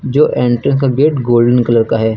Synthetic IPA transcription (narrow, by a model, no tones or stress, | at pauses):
d͡ʒoːʔɛ̃ːɳʈɾə̃ns̬kaɡeːʈɡoːlɖənkələɾkaɦɛː